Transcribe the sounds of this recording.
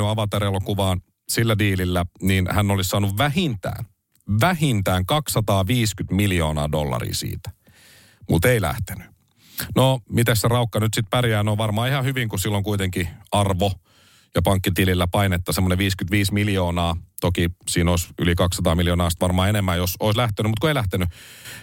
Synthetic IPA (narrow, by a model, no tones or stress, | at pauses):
yɑʋɑt̪eɾelokuʋɑːn | silːædiːlilːæniːnhænːolissɑːnuʋʋæhint̪æ̰ːn | ʋæhint̪æːŋkɑksɑt̪ɑːʋiːskyt̪miljo̞ːnɑ̰ːdolːɑ̰rḭːsḭːt̪æ̥ | mut̪eilæ̰ht̪e̥ny̥ | nomit̪æsserɑukːɑnyt̪sit̪̚pærjæːnoːʋɑrmɑːihɑhyʋiŋkusilːoŋkuijt̪eŋkiɑrʋo | jɑpɑŋkːit̪iːlilːæpɑinet̪ːɑsemːoneʋiːskyt̪ʋiːsmiljoːnɑːt̪okisiːnoisylikɑksːɑt̪ɑːmiljoːnɑːsit̪ʋɑrmɑːenemːæːjosoislæht̪enymut̪kuoeilæht̪eny